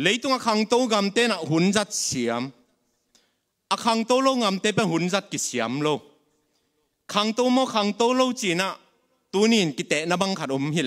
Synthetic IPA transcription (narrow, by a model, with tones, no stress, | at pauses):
le˨˦jt̪u˧ŋa˨kʰa˧ŋt̪o˦wɡa˨mt̪ɛ˦na˨ʔɦu˨˦nza˦t̪̚si˨ə˦m | ʔa˨kʰa˧ŋt̪o˦wlo˦˧wŋa˨mt̪ɛ˦˥pɛ˧˨nhu˨˦nza˦˧t̪̚ki˨si˨ə˦mlo˧w | kʰa˧ŋt̪o˦wmɔ˦˨kʰa˨˧ŋt̪o˦wlo˦˧wt͡si˨na˨ʔ | t̪u˧˦ni˨nki˧˨t̪ɛ˨ʔna˧ba˧ŋkʰa˧t̚u˧˦mɦi˦˧l